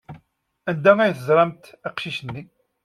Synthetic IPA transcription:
ænd̪æŋæjθəzˤɾˤɑmt̪æqʃiʃənːi

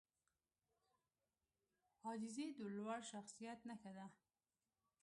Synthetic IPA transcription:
ɑd͡ʒɪzed̪əlwaɽʃaxsijat̪naxad̪a

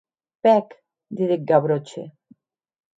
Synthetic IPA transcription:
pɛk | d̪iðek̚ɡaβɾot͡ʃḛ

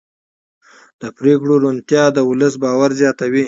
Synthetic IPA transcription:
d̪̥əpɾekɽoɾunt̪jɑd̪əwʊləsbɑwaɾzjɑt̪awi

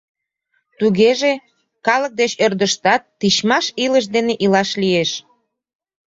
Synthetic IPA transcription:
t̪uɣeʒe | kɑlək̚d̪et͡ɕørd̪əʃt̪ɑt̪ːit͡ɕmɑʃiləʃ̬d̪eneʔilɑʃlieʃ

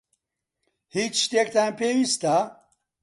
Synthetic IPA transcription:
hit͡ʃʃt̪ek̚t̪ampʰewist̪a

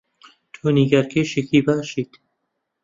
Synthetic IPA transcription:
t̪ʰuːniɡɐɾkʰeːʃikʰiːbaːʃiːt̪

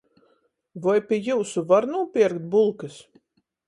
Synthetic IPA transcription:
vajpʲiɛjuːsuvaɾnuːpʲiɾkt̪̚bulˠkɨs

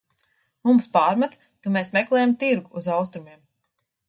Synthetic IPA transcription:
mumspaːɾmat̪ | kameːsmɛklˠɛːjamt̪iɾɡuːzawst̪ɾumiɛm

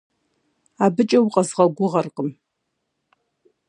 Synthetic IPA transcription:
abɨt͡ʃʼɐwqʼɐzʁɐɡʷʊʁɐrqʼəm

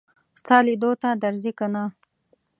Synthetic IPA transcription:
st̪ɑlid̪ot̪ad̪aɾzikana

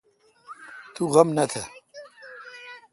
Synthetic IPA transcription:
t̪ʰuʁɐmnɐt̪ʰɐ

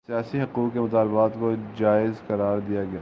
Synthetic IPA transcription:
sijaːsiɦɐquːqkemʊt̪aːlbaːt̪kod͡ʒaːɪzqɐɾaːɾd̪ijaɡɐjaː

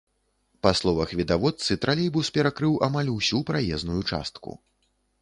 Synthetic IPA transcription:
paslˠɔvɐxvʲid̪avɔt̪sɨt̪ɾʔalʲɛjbuspʲɛɾakɾɨwʔamalʲuwsʲupɾajɛznujut͡ʂa̰st̪kṵ

